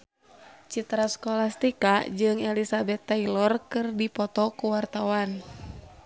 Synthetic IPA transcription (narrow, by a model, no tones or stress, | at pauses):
t͡ʃit̪ɾaskɔlast̪ikad͡ʒɨŋɛlisabɛt̪ːailɔrkɨrdipɔt̪ɔkuwart̪awan